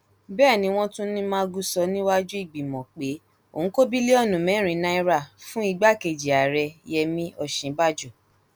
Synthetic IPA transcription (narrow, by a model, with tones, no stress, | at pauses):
bɛː˦˨nĩ˧˦w̃ɔ̃˦tũ˦nĩ˦mãː˦ɡu˦sɔ˧nĩ˦wa˦d͡ʒu˦i˦˨ɡ͡bi˨mɔ̃˨k͡pe˨˦ | o˨ũ˨˦ko˦bi˦le˦ɔ˦˨nũ˨mɛ̃˨˦ɾ̃ĩ˧˦nã˦i˦ɾa˦˨fũ˦i˧ɡ͡ba˦ke˨d͡ʒi˨a˨ɾɛ˧jɛ˧mĩ˦ʔɔ˦˨ʃĩ˨˦ba˦d͡ʒu˦˨